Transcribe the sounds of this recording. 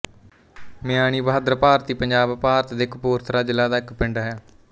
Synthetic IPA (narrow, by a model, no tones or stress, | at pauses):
mɪjaːɳ̃iːbaːd̪ɾəpaːɾt̪iːpəɲd͡ʒaːbpaːɾət̪d̪eːkpuːɾt̪ʰɾaːd͡ʒɪlaːd̪aːɪkpɪɳɖaːɦɛː